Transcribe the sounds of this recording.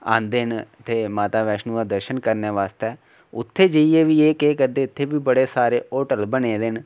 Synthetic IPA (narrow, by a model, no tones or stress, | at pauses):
ã̰ːnd̪ent̪eːmaːt̪aːʋɛːʃnũːad̪əɾʃənkəɾneːʋaːst̪ɛː | ʊ̰t̪ʰːeːd͡ʒəieːʋiːeːkekəd̪eːɪt̪ʰːeːbiːbəɽeːsaːɾeːoːʈəlbəneːd̪ɪn